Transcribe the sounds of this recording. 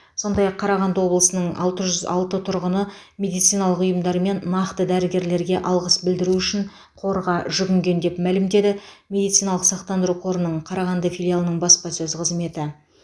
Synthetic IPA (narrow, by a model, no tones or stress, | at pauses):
so̞nd̪ɑjɑqʰːɑɾɑʁɑnd̪əwo̞blˠəsənəɴɑ̰lˠt̪əʒʏzɑ̰lˠt̪ət̪ʰʊɾʁənə | mʲe̞d̪ijt̪sijnɑlˠəqʊjəmd̪ɑɾme̞nːɑqt̪əd̪æɾɪɡʲe̞ɾle̞ɾɡʲe̞ʔɑlˠʁəsbɪld̪ɪɾuʏʃɪɴ | qʰo̞ɾʁɑʒʏɡʲɪŋɡʲe̞nd̪e̞pmælɪmd̪e̞d̪ɪmʲe̞d̪ijt̪sijnɑlˠəqsɑqt̪ɑnd̪əɾuqʰo̞ɾənəɴqʰɑɾɑʁɑnd̪əfʲilʲialˠənəɴbɑspɑsɵzqʰəzme̞t̪ɪ